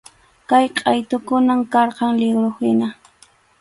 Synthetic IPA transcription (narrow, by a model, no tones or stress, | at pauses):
kajqʼɑjt̪ʊkʊnamkɑɾqɑŋlɪɡɾohɪna